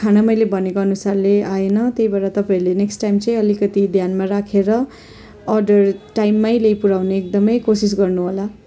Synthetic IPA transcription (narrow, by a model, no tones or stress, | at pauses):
kʰanamʌjlebʱʌnekoʌnusarleaenʌt̪jejbaɾat̪ʌpaiɾleneksʈajmt͡sʌĩʌlikʌt̪id̪ʱjanmaɾakʰeɾʌː | rɖʌrʈajmːajlejpuɾawneek̚d̪ʌmʌjkosis̬ɡʌrnuɦola